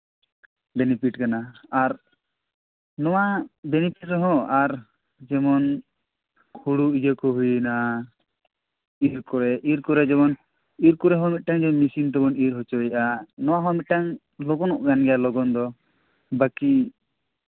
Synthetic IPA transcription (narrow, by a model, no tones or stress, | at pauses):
bɛnipiʈkanaːɾ | nɔwabɛnipʰiʈɾɛɦɔ̃aɾ | d͡ʒɛmɔn | kʰuɽuid͡ʒakɔɦujna | iɾkɔɾɛʔiɾkɔɾɛd͡ʒɛmɔn | iɾkɔɾɛɦɔ̃mit̪̚ˀʈaŋd͡ʒɛmɔnmisiŋʈ̪ɛbɔniɾɦɔt͡ʃɔjʔanɔwaɦɔ̃mit̪̚ʈaŋ | lɔɡɔnɔʔɡanɡɛjalɔɡɔnd̪ɔ | baki